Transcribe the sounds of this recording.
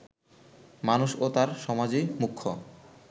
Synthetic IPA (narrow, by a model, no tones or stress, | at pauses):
manuʃot̪aɾʃɔmad͡ʑejmukʰːo̰